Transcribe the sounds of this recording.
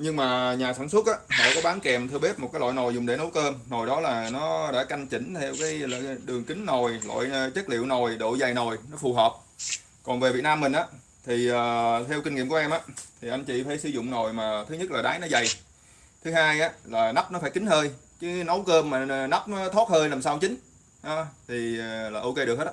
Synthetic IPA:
ɲɨ˧ŋmaː˨˩ɲaː˨˩saː˧˩nswə˦˥t̚ʔaː˧˦lo̰˧˨jkaː˨˦ɓaː˨˦ŋkɛ˨˩mt̪ʰɨ˧əɓe˦˥p̚mo˨˩kaː˨˦lɔ̰˧˨jno˨˩jzʊ˨˩ŋ͡mɗe˧˩˦no˨˦wkəː˧mno˨˩jɗɔ˨˦laː˨˩nɔ˨˦ɗa̰ː˧˥ka˧jŋt͡ɕï˧˦ŋ̟t̪ʰɛ˧wkaː˨˦jlːɗɨ˨˩əŋkï˨˦ŋ̟no˨˩jlo̰˧˨jt͡ɕə˦˥k̚lḭ˧˨wno˨˩jɗo̰˧˨za˨˩jno˨˩jnɔ˨˦fu˨˩ɦəː˨˩p̚ | kɔ˨˩nve˨˩vi˨˩ənaː˧mːï̟˨˩ʔaː˨˦ | t̪ʰi˨˩ʔəː˨˩t̪ʰɛ˧wki˧ŋḭ˧˨mku˧˩˦ʔɛ˧mʔaː˨˧˦t̪ʰi˨˩ʔa˧nt͡ɕḭ˧˨faː˧˩˦jsɨ˨˦zʊ̰˧˨ŋ͡mno˨˩jmaː˨˩t̪ʰɨ˨˦ɲə˦˥t̚laː˨˩ɗaː˨˦jnɔ˨˦za˨˩j | t̪ʰɨ˨˦haː˧jʔaː˨˦laː˨˩na˦˥p̚nɔ˨˦faː˧˩jkï˨˦ŋ̟həː˧j | kɨ˨˦nə˨˦wkəː˧mːaː˨˩˨na˦˥p̚nɔ˨˦t̪ʰo˦˥t̚həː˧jlaː˨˩msaː˧wt͡ɕï˨˦ŋ̟ | ɗɔ˨˦t̪ʰi˨˩laː˨˩ʔo˧wke˧ɗɨ˨˩ək̚he˦˥

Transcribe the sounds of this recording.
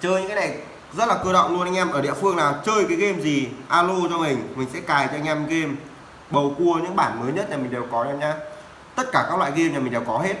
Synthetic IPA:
t͡ɕəː˧jɲɨ̰˧˥kːaː˨˦na˨˩j | zə˦˥t̚laː˨˩kɨː˧ɗə̰˧˨wŋ͡mlu˧nʔa˧jŋ̟ʔɛ˧mʔəː˧˩ɗḭ˧˨əfɨ˧əŋnaː˨˩wt͡ɕəː˧jkaː˨˦jɣe˧mzi˨˩ʔaː˧lo˧t͡ɕɔ˧mï˨˩ŋ̟mï˨˩ŋ̟sɛ̰˧˥kaː˨˩jt͡ɕɔ˧ʔŋ̟ʔɛ˧mɣe˧m | ɓə˨˩wku˧əɲɨ̰˧˥ŋɓaː˧˩nməː˨˦jɲə˦˥t̚ɲaː˨˩mi˨˩ɗe˨˩wkɔ˨˦ɛ˧mɲaː˧ | t̪ə˦˥t̚kaː˧˩kaː˦˥k̚lwa̰ː˧˨ɣe˧mɲaː˨˩ï˨˩ŋ̟ɗe˨˩wkɔ˨˦ɦe˦˥t̚

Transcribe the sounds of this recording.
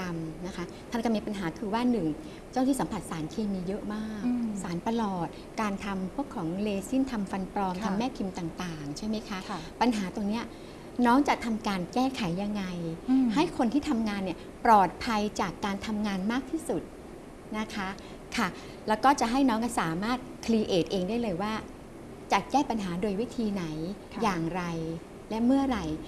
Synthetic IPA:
a˧mna˦˥kʰa˦˥t̪ʰa˥˩nkɔː˥˩miː˧pa˧nɦaː˩˦kʰɯː˧waː˥˩nɯ˨˩ŋ | t͡ɕŋt̪ʰiː˥˩sa˩˦mpʰa˨˩t̪̚saː˩˦nkʰeː˧miː˧jɤ˦˥ʔmaː˥˩k̚saː˩˦npa˧lɔː˨˩t̪̚ | kaː˧nt̪ʰa˧mpʰu˥˩əkʰːɔː˩˦ŋleː˧si˥˩nt̪ʰa˧mfa˧npɾɔː˧mt̪ʰa˧mːɛː˥˩pʰi˧mt̪a˨˩ŋt̪aː˨˩ŋt͡ɕʰa˥˩jma˦˥jkʰa˦˥pa˧nɦaː˩˦t̪o˧ŋni˦˥ɐ | nɔː˦˥ŋt͡ɕa˨˩ʔ̚t̪ʰa˧mkaː˧nkɛː˥˩kʰa˨˩˦jːa˧ŋːa˧jha˥˩jkʰo˧nt̪ʰiː˥˩t̪ʰa˧mŋaː˧nːi˧˥˩ɐ | pɾɔː˨˩t̪̚pʰa˧jt͡ɕaː˨˩kːaː˧nt̪ʰa˧mŋaː˧nmaː˥˩k̚t̪ʰiː˥˩su˨˩t̪̚ | na˦˥kʰa˦˥ | kʰa˥˩ | lɛː˦˥wkɔː˥˩t͡ɕa˨˩ɦa˥˩jnɔː˦˥ŋa˥˩saː˨˩˦maː˥˩t̪̚kʰliː˧ʔeː˨˩t̪̚ʔeː˧ŋdaː˥˩jlɤː˧jwaː˥˩ | t͡ɕa˨˩kɛː˥˩pa˧nɦaː˩˦doː˧jwi˦˥t̪ʰiː˧na˩˦j | jaː˨˩ŋɾa˧j | lɛ˦˥mɯ˥˩ɐɾa˧j

